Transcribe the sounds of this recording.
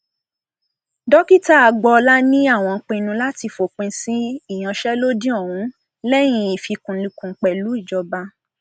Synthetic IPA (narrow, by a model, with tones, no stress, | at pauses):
dɔ˦ki˦ta˦˨a˨ɡ͡bɔ˧la˦nĩ˦a˦˨w̃ɔ̃˧k͡pẽ˧nũ˧la˦ti˧fo˨k͡pẽ˧si˦i˦˨j̃ã˨˧ʃɛ˦lo˦dĩ˦ɔ˦˨wũ˨˦ | lɛ˦j̃ĩ˧i˨fi˧kũ˨li˧kũ˧˦k͡pɛ˨lu˨˦i˦˨d͡ʒɔ˧ba˧˦